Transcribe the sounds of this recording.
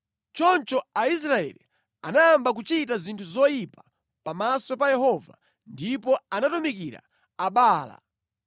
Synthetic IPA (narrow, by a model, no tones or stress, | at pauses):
t͡ʃɔnt͡ʃɔais̬ɾaɛ̰lḭ | anaːmbak̬ut͡ʃit̬azintʰuzɔjipḁ | pamasɔpajɛɦɔva̰ | ndipɔanatumikiɾa̰ | aɓaːla̰